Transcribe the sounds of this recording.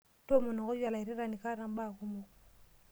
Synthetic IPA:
to˦mɔ˨nɔ˨kɔ˦ja˨la˨i˨ɾi˦ɾa˨ni˨ka˦ɾa˨m˦ba˦˨ku˦mo˦

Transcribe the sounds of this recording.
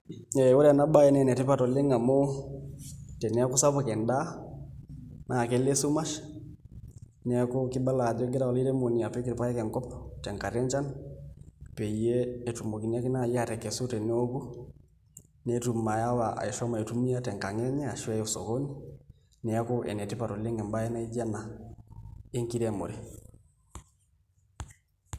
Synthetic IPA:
ɛ˨wo˦ɾɛ˦a˨na˦ba˦jɛ˦nɛ˨nɛ˨tɛ˦pa˦tɔ˨le˦ŋa˨mo˦ | tɛ˨nɛ˦a˦ku˦sa˦pa˨kɛ˨nda˦ | na˨kɛ˦le˦su˦ma˦ʃ | nɛ˨a˦ku˦kɪ˦ba˦la˨d͡ʒɔ˦ɡɪ˦ɾa˦ɔ˨i˦ɾɛ˦mo˨ni˨a˨pɛ˦ki˨ɾpa˦jɛ˦kɛ˨ŋkɔ˦ptɛ˨ŋka˨ɾɛ˦nt͡ʃa˦n | pɛ˨jeː˦˨tu˨mo˨ki˨na˦kɪ˦na˦˨ja˨ɾɛ˨kɛ˨su˦tɛ˨n˦o˦ku˦ | nɛ˦tu˨ma˨ja˦wa˨a̰˨i˨ʃɔ˦ma˨e˨tu˦mi˦ja˦tɛ˨ŋka˨ŋɛ˦ɲɛ˦a˨ʃɛ˦ɔ˨so̰˨ko˦ni˦ | nɛ˨˦ko˦ʔɛ̰˨nɛ˨tɪ˦pa˨tɔ˨le˦ŋɛ˨mba˦ɛ˦na˦i˦d͡ʒa˦na˨ | e˦ŋki˦ɾɛ˦˨mo̰˨ɾe˨

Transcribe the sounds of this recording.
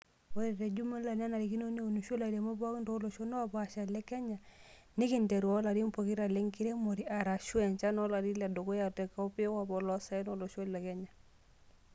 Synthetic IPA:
ɔ˦ɾɛ˨ɾɛ˨d͡ʒu˦ma˦la˨na˦na˨ɾi˨ki˦no˦ne˦u˨nu˨ʃo˦la˨ɾɛ˨mo˦ba˦kndo˦lo˨ʃo˦nɔ˦wa˨pa˨ʃa˨lɛ˦kɛ˦ɲa˨ | ne˦ki˨ndɛ˨ɾu˨wa˨˦la˨ɾi˦mpɔ˨ki˦ɾa˨le˦ŋki˦ɾe˦mo˨ɾi˦a˨ɾa˨ʃwɛ˨nt͡ʃa˦nɔ˦la˨ɾi˦la˨do˨ko˦ja˨tɛ˨ka˨ɔ˦pi˦wa˨bɔ˨lɔ˦sa˨˦i˦no˦˨lo˨ʃɛ˦llɛ˨kɛ˦ɲa˨

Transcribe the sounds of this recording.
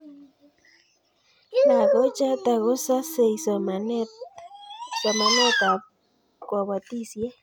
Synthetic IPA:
na˨ɡɔ˦t͡ʃa˦t̪a˨ɣɔ˦sa˦se˨is | sa˨ma˨nɛ˦t̪a˨ | kwa˨wa˨t̪i˦sje˦

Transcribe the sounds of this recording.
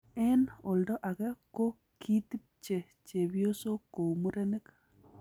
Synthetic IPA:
ɛ˦no˨ldɔ˦ʔa˨ɡɛ˦ko˦ | kʰi˦t̪i˦p̚t͡ʃe˨ | t͡ʃe˨bjo˦so˦ko˨u˨mu˦ɾe˦ne˦k

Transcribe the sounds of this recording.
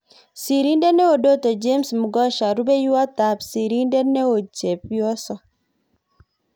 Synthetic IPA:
si˨ɾi˦nde˦nɛ˦o˨do˦t̪o˨d͡ʒe˦msmu˨ɡɔ˦ʃa˨ɾu˦be˦ju˦a˦t̪a˨psi˨ɾi˦nde˦nɛ˦o˨t͡ʃe˨pjɔ˦sɔ˦

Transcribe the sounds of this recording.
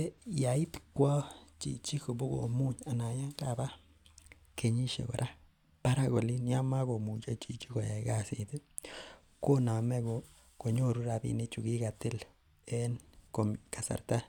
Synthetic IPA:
e˦ja˨i˦t̪kʷa˦t͡ʃḭ˨t͡ʃi˦ko˨bo˦ɡo̰˨mu˦ɲa˨na˨ja˦ŋka˦˨ba˦ | kʰe˧ɲi˦ʃḛ˨ɡo̰˨ɾʔa˦ | pa˦ɾa˦ɡo˨li˦ni˦a˦ma˦ɡo˨mu˨t͡ʃa˦t͡ʃi˨t͡ʃi˦ɡo˨je˨ɡa˦si˨d̪e˦ | ko˦na˨me˦ɡo˨ | ko˨ɲo˦˨ɾu˦ɾa˧bḭ˧ni˦t͡ʃu˨ɡi˦ɡa˨t̪i˦l | e˦nko˨m˨ka˨sa̰˨ɾt̪a˦

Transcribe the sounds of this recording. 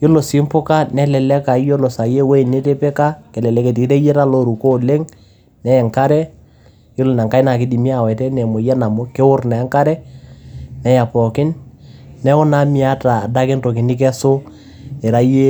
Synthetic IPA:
jo˦lo˨sɪ˦mpʊ˦ka˦nɛ˦lɛ˨lɛ˦ka˨˦jo˦lo˨sa˨je˦we˦˨ne˦te˦pɛ˦ka˦kɛ˨lɛ˨lɛ˨˦ke˨ti˨˦te˦je˦ta˦lo˦ɾu˨ko˦le˦ŋ | nɛ˦ɛ˨ŋka˦ɾɛ˦ | jo˦lo˨na˨ŋka˦ɪ˦na˨kɪ˦di˨mi˦a˨wɛ˨tɛ˦nɛ˨mʊ˨jɛ˦na˨mʊ˦ke˦wʊ˦rnɛ˨˦ŋka˦ɾɛ˦ | nɛ˨ja˨pɔ˨kɪ˦nː | ɛ˦ʊ˦na˦mɪ˨a˦taː˨da˦kɪ˦nto˨kɪ˨nɪ˦k̬ɛ˦sʊ˦ | e˨ɾa˦je˦

